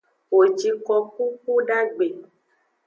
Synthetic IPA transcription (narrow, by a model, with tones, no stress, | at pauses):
wo˨d͡ʒi˨kɔ˧k̚u˦ku˦ɖa˦ɡ͡be˨